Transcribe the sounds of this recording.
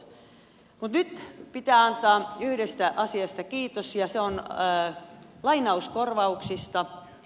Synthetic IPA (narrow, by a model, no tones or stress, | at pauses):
mut̪nyt̪pit̪æːɑnt̪ɑːyhɾest̪æʔɑsiɑst̪ɑkiːt̪osjɑseonː | lɑinɑuskorʋɑuksist̪ɑ